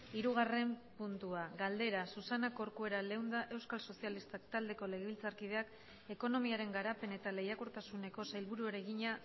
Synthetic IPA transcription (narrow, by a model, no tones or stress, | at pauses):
iɾuɣ̞are̞mpunt̪uaɡald̪e̞ɾasusanako̞ɾkue̞ɾale̞wnd̪aʔe̞wskalso̞sialist̪akt̪ald̪e̞ko̞le̞ɣ̞eβilt͡saɾkið̞e̞ak | e̞ko̞no̞miaɾe̞ŋɡaɾape̞ne̞t̪ale̞jakuɾt̪asune̞ko̞sajlβuɾueɾe̞ɣiɲa